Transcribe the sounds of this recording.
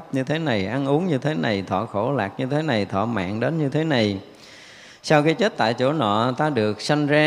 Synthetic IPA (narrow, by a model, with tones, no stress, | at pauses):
p̚ɲɨ˧t̪ʰe˨˦na˨˩jʔa˧nʔu˨˦əŋɲɨ˧t̪ʰe˨˦na˨˩jt̪ʰɔ̰ː˧˨xo˧˩la̰ː˨˩k̚ɲɨ˧t̪ʰe˨˦na˨˩jt̪ʰwɔ̰˧˨ma̰ː˧˨ŋɗe˨˦nɲɨ˧t̪ʰe˨˦na˨˩j | saː˧wkaː˨˦jt͡ɕe˦˥t̚t̪a̰ː˧˨jt͡ɕo˧˩˦nɔ̰˧˨t̪aː˧ɗɨ˨˩ək̚sa˧jŋ̟zaː˧